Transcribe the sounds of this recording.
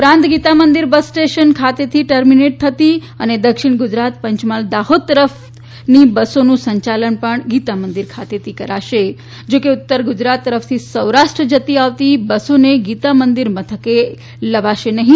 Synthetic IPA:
upɾãnt̪ɡit̪amənd̪iɾbəsːʈeʃənkʰat̪et̪ʰiʈəɾmineʈ̚t̪ʰət̪i | əned̪əkʃɪɳɡʊd͡ʒɾat̪pəɲt͡ʃmald̪aɦod̪̚t̪ːəɾəf | nibəsonũsə̃ɲt͡ʃalənpəɳɡit̪amənd̪iɾkʰat̪et̪ʰikəɾaʃe | d͡ʒokeʊt̪ːəɾɡʊd͡ʒɾat̪ːəɾəft̪ʰisəwɾaʃʈɾəd͡ʒət̪iaʋt̪ibəsoneɡit̪amənd̪iɾmət̪ʰəke | ləʋaʃenəɦĩ

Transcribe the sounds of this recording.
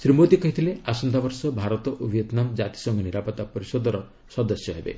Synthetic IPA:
sɾimod̪ikɔɦit̪ʰileasɔnd̪ʱabɔɾsɔbʱaɾɔt̪ɔʔobjet̪namd͡ʒat̪i̥sɔŋɡɔniɾapɔt̪apɔɾisɔd̪ɔɾɔ | sɔd̪ɔsjɔɦebḛ

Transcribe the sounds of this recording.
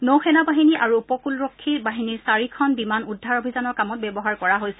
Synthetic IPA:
nowxʰɛnabaɦiniʔaɹuːpɔkulɹɔkʰːibaɦiniɹsaɹikʰɔnbimanudʱːaɹobʱizanɔɹkamɔt̚bɛbɔɦaɹkɔɹaɦojsɛ

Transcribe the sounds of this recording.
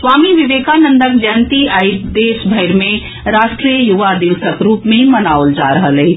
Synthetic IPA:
swaːmiʋɪʋeːkanə̃nd̪əkd͡ʒɛːnt̪iaɪɾd̪eːʃbʱɐɪɾmẽ | ɾaːʃʈɾijəjuʋad̪ɪʋsəkɾuːpmẽmɐnaːold͡ʒaɾəɦəlɦɛː

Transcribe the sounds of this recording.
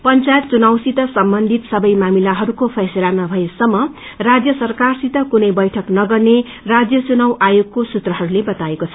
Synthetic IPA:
pʌnt͡sajet̪̚t͡sunawsit̪ʌsʌmbʌnd̪ʱit̪sʌbʌjmamilaɦʌɾukopʰʌselanʌbʱʌesʌmːʌ | rad͡zjʌsʌrkarsit̪ʌkunʌjbʌjʈʰʌknʌɡʌrne | rad͡zjʌt͡sunʌwʔajoɡ̚kosut̪rʌɦʌɾulebʌt̪aekot͡sʰʌ

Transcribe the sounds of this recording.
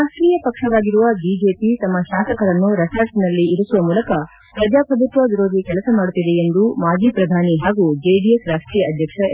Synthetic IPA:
ɾaːʂʈɾiːjɐpɐkʂɐʋaːɡiɾuʋɐbiːd͡ʒe̞ːpit̪ɐmːɐʃaːsɐkɐɾɐnːuɾɐsaːɾʈinɐlːiiɾusuʋɐmuːlɐkɐ | pɾɐd͡ʒaːpɐd̪ut̪ʋɐʋiɾo̞ːd̪ʱikɛlɐsɐmaːɽut̪ːid̪e̞end̪umaːd͡ʒiːpɾɐd̪ʱaːniɦaːɡud͡ʒeːɖijesɾaːsʈɾiːjɐɐd̪ʱjɐkʂɐ

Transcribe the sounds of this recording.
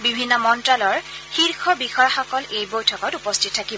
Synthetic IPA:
bibʱinːɔmɔntɹalɔɹxiɹkʰɔɹbixɔjaxɔkɔlejbojtʰɔkɔtupɔstʰit̚ʰːaki

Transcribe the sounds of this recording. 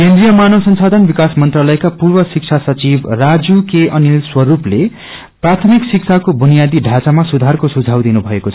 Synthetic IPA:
kend̪rijʌmanʌsʌnsad̪ʱʌnbikasmʌnt̪ralʌjekapurbʌsik̚t͡sʰasʌt͡sibrad͡zukeʔʌnilswʌɾuple | prat̪ʰʌmiksik̚t͡sʰakobʱunijad̪iɖʱat͡samasud̪ʱarkosud͡zʱawd̪inubʱʌekot͡sʰʌ

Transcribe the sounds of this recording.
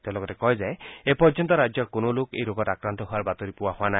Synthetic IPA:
t̪ẽlɔɡɔtekɔɦezajepɔɾd͡ʒɔnt̪ɔɾad͡ʒjɔkonolokejɾoɡɔtakɾant̪ɔɦʊaɾbat̪ɔɾipuwahʊana

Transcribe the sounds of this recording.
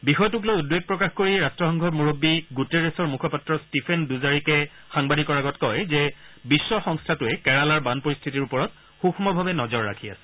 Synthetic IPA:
bixɔjtuk̬lojudweɡ̚pɹɔkaxkoɹiɹastɹɔxɔŋɡʱɔɹmuɹobːiɡuteɹesɔɹmukʰɔpatɹɔstipʰenduzaɹikɛ | xaŋbadikɔɹaɡɔtkɔjzɛbisːɔxɔŋstʰatʊɛkɛɹalaɹbanpoɹist̪ʰitiɹupɔɹɔt̚ | xuxʰmɔbʱabɛnɔzɔɹːa̰kʰia̰sɛ̥

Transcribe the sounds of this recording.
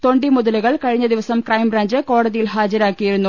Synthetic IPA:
t̪o̞ɳɖimuðɐlɐɣɐɭkɐɻiɲːɐd̪iʋɐsɐmkrɐjmɾaːɲd͡ʑɨko̞ːɽɐðijilɦaːd͡ʑɐɾaːkːijiɾunːu

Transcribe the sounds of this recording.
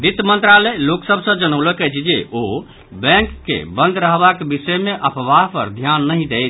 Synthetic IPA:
d̪it̪mənt̪ɾaleloksəbʱsə̃d͡ʒənəwləkɛt͡ʃʰd͡ʒeʔo | bɛ̃ŋkːḛbənd̪ʱɾəɦbakebisəmeʔəpʋaɦpə̰ɾd̪ʱjanːəɦĩd̪ejt͡ʃʰ

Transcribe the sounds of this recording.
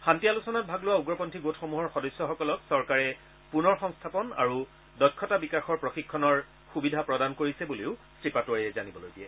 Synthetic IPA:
xantialusɔnat̚bʱaɡlʊwauɡɹɔpɔntʰiɡotʰxomuɦɔɹxɔdɔjsːɔxɔkɔlɔksɔɹkaɹɛ | punɔɹxɔŋstʰapɔna̰ɹu | dɔjkʰːɔtabikaxɔɹpɹoxikʰːɔnɔɹ | xubidʱapɹɔdankoɹisɛbuleʊstɹipatoɹiɛzanibɔlojdiɛ

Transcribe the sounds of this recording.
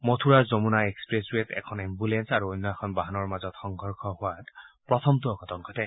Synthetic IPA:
motʰuɹazomunaekspɹeswetɛ̰kʰɔnimbulensaɹuojnːɔaxʰɔnbaɦanɔɹmazɔtxɔŋɡʱɔɹkʰɔhʊwatpɹɔtʰɔmtuɔkɔtɔŋɡʰʱɔtɛ

